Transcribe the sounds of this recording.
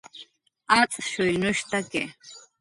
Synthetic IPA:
at͡sʼʃɔjnɔʃt̪aɡɛ̰

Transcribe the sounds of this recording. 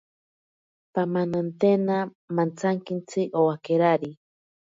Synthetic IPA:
pamanant̪ena | mant͡sʰaŋkint͡sʰɨʔowakeɾaɾi

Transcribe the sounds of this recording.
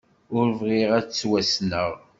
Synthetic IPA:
ʊɾvʁieʁæt͡sːwæsnəʁ

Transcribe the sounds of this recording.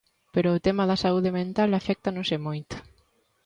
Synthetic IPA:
peɾoot̪emaðasauðemẽnt̪alafɛk̚t̪anosemojt̪

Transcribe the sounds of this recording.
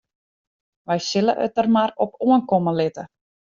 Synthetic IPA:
ʋɛjsɪlə̰ʔə̰tərmarɔpuənkoməlɪtə

